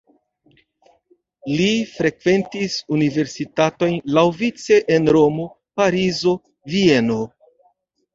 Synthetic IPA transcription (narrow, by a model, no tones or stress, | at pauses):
lifɾe̞kve̞ntisunive̞ɾsitato̞jnlawvit͡se̞ʔenɾo̞mo̞ | paɾizo̞ | vie̞no̞